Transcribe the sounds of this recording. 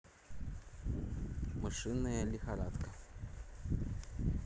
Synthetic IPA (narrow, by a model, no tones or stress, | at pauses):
mɨʂɨnɐjɐlʲixaɾat̪kɐ